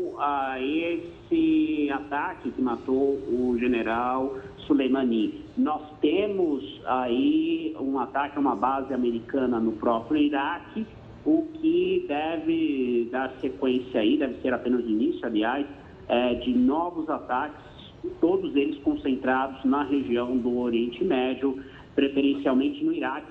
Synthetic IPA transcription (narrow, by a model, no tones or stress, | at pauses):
aes | ɪat̪akɪkɪmat̪owʊʒeneɾaw | sulejmɐ̃ninɔst̪ẽmʊzaiũat̪akɪɛũmɐbazɪameɾikɐ̃nɐnʊpɾɔpɾjʊiɾakɪ | ʊkʰɪd̪ɛvɪd̪aɾsekwẽsjaid̪ɛvɪseɾapẽnɐzinisʊaliajs | ɛd͡ʒɪnɔvʊzat̪akɪ̥ss | t̪od̪ʊzelɪskõsẽnt̪ɾad̪ʊznɐɦeʒiɐ̃w̃d̪ʊoɾiẽnt͡ʃɪmɛd͡ʒʊ | pɾefeɾẽsiawmẽnt͡ʃɪnʊiɾakɪ